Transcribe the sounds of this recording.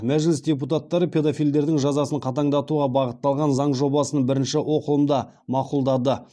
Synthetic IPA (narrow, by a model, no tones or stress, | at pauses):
mæʒlɪsdʲe̞p̬ut̪at̪ːɑɾəpʰʲe̞d̪afijld̪e̞ɾd̪ɪŋʒɑzɑsəɴqʰɑt̪ɑɴd̪ɑt̪uʁɑbɑʁət̪ːɑlˠʁɑnzɑɴʒo̞bɑsənəbɪɾɪnʃɪwʔo̞qəlˠəmd̪ɑ | mɑqulˠd̪ɑd̪ə